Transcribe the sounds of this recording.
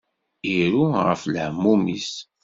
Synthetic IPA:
iɾuʁə̰fləʕəmːumis

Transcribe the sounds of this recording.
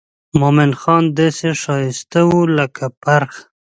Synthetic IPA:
momɪnxɑnd̪ɑseʃɑjɪst̪awuləkʰapaɾx

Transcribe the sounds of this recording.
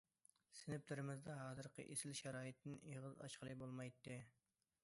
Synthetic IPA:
sɪnɪplɪɾɪmɪzd̪ɑɦɑːzɨɾqʰɨ̰ʔesɪlʃɑɾɑːjɨt̪ːɪneʁəzɑ̰ʃqəlˠɨbolˠmɑjt̪ːɨ

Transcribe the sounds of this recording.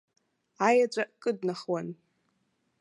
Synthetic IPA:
ajat͡ʃʷʼaʔkʼɨdnaχwan

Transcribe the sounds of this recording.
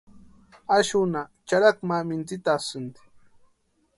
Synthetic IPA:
aʃʊnat͡ʃaɾakmamɪnt͡sɪt̪asɪnt̪ɪ̥

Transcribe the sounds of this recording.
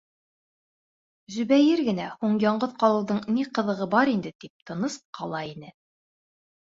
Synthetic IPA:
ʒɵ̆βæjɘɾɡɘ̆næhuɴjɑɴɢɤðqɑlˠɤ̆wðɤɴniqɤ̆ðɤ̆ʁɤbɑɾind̪ɘt̪ip̚t̪ɤ̆nɤsqʰɑlˠɑinɘ

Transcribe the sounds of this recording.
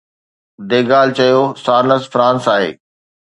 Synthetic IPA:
d̪eːɡaːlt͡ɕɐjosaːɾnəsfɾãːnsaːɦḛː

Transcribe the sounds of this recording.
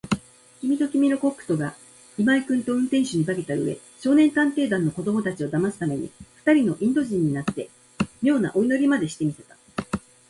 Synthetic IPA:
kʲimʲit̪o̞kʲimʲino̞ko̞kːɯ̟̥t̪o̞ɡa | imaikɯ̟̃nt̪o̞ɯ̃nt̪ẽ̞ɰ̃ɕɨɲ̟ibake̞t̪aɯ̟̰e̞̰ | ɕo̞ːnẽ̞nt̪ãnt̪e̞ːd̪ãnːo̞ko̞d̪o̞mo̞t̪at͡ɕio̞d̪amasɨ̥t̪ame̞ɲ̟ḭɸɯ̥t̪aɾʲino̞ʔĩnd̪o̞ʑĩɲ̟ːinat̪ːe̞ | mʲo̞ːna̰ʔo̞ino̞ɾʲimad̪e̞ɕi̥t̪e̞mʲise̞t̪ḁ

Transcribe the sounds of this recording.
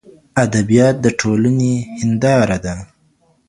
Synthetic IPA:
ad̪abijɑt̪̚d̪əʈʰolanehɪnd̪ɑɾad̪a

